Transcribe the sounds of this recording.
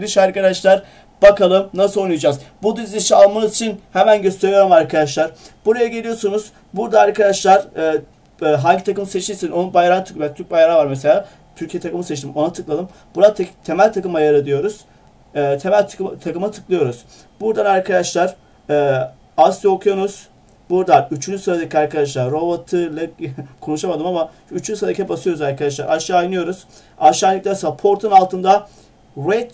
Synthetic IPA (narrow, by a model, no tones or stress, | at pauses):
lʲiʃaɾkad̪aʃlˠaɾ | b̥akʰalˠɯmnasɯonˠujd͡ʒazbud̪yzʲiʃialˠmanɯzit͡ʃʰinhemænɟøst̪ʰe̞ɾjoɾumaɾkʰad̪aʃlˠaɾb̥uɾajaɟe̞lʲijo̞ɾsunuz̥ | buɾd̪aːɾkʰad̪aʃlˠaɾ | ɦaɲɟit̪ʰakɯmɯset͡ʃt̪iɾsinonunbajaɾant̪ʰɯkbɛt̪ʰyɾc̚bajaɾavaɾmese̞lʲaː | t̪ʰyɾcʰijet̪ʰakɯmɯset͡ʃt̪ʰimo̞nat̪ʰɯklˠalˠɯm | b̥unat̪ʰt̪ʰe̞mælʲt̪ʰakɯmajaɾɯd̪ijo̞ɾuz̥ː | t̪ʰe̞mælʲt̪ʰakɯmɯt̪ʰɯ̥klˠɯjo̞ɾuz̥ | buɾd̪anaɾkʰad̪aʃlˠaɾ | ɛː | asokʰjoɾuz̥ | buɾd̪anyt͡ʃʰynd͡ʒysɯɾad̪acʰiaɾkʰad̪aʃ̬lˠaɾːo̞bot̪ʰɯlˠakʰo̞nuʃamad̪ɯmama | yt͡ʃʰynsɾad̪acʰiɛbasɯjo̞ɾuzaɾkʰad̪aʃlˠa̰ɾʔaʃɯajnɯjo̞ɾuz̥ | aʃajnʲˠikc̚d̪ʲasapʰoɾt̪ʰunalˠt̪ʰɯnd̪a | ɾɛt̪